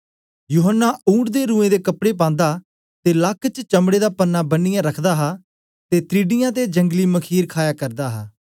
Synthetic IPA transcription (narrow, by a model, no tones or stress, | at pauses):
juːɦənːaːũːʈd̪eːɾũːẽːd̪eːkəpɽeːp̬ãːnd̪aː | t̪eːlakːt͡ʃt͡ʃəmɽeːd̪aːpənːaːbənːɪjãːɾəkʰd̪aːɦaː | t̪eːt̪ɾiːɖɪjãːt̪̬ed͡ʒəŋɡliːməkʰiːɾkʰaːjaːkəɾd̪aːɦaː